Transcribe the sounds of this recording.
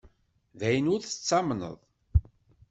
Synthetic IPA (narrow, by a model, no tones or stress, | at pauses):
ðæjənʊɾθə̥t͡sːɑmnə̰ðˤ